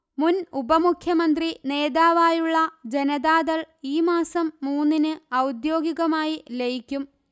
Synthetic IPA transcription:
munubɐmukʰjɐmɐnd̪rine̞ːd̪aːʋaːjuɭːɐd͡ʑe̞nɐd̪aːd̪ɐɭ | iːmaːsɐmːuːnːinɨɐwd̪jo̞ːɡiɣɐmaːjilejikʲːum

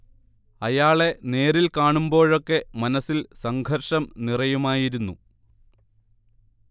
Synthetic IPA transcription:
ɐjaːɭe̞ne̞ːɾilkaːɳumbo̞ːɻo̞kːe̞mɐnɐsilsɐŋɡʱɐrʂɐmnirɐjumaːjiɾunːṵ

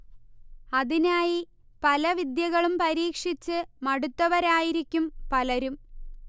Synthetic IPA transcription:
ɐðinaːji | pɐlɐʋid̪jɐɣɐɭumpɐɾiːkʂit͡ɕːɨmɐɽut̪ːɐʋɐɾaːjiɾikʲːumpɐlɐɾum

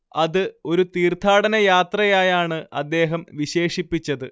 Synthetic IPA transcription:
ɐðɨo̞ɾut̪iːrt̪ʰːaːɽɐnɐjaːt̪rɐjaːjaːɳɨɐd̪ːe̞ːɦɐmʋiɕe̞ːʂipːit͡ɕːɐðɨ

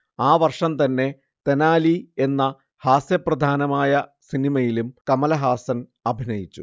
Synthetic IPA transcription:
aːʋɐrʂɐmt̪ɐnːe̞ | t̪enaːlie̞nːɐ | haːsjɐprɐd̪ʱaːnɐmaːjɐsinimɐjilumkɐmɐlɐɦaːsɐnɐbʱinɐjit͡ɕːu

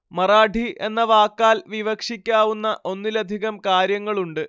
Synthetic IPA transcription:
mɐraːɖʱiʔenːɐʋaːkːaːlʋiʋɐkʂikʲːaːʋunːɐʔo̞nːilɐd̪ʱiɣɐmkaːɾjɐŋːɐɭuɳɖɨ

